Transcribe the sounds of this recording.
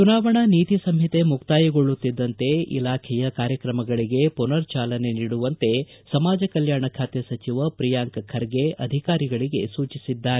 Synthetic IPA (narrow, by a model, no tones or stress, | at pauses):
t͡ʃunaːʋɐɳɐniːt̪isɐmɦjit̪emukt̪aːjɐɡoɭːut̪ːid̪ːɐnt̪e̞ḭlaːkʰɛjɐkaːɾjɐkɾɐmɐɡɐɭiɡe̞punɐɾt͡ʃaːlɐne̞niːɽuʋɐnt̪e̞ | sɐmaːd͡ʒɐkɐljaːɳɐkʰaːt̪esɐt͡ʃiʋɐpɾijaːŋkɐkʰɐɾɡeʔɐ̰d̪ʱikaːɾiɡɐɭiɡe̞suːt͡ʃisid̪ːaːɾe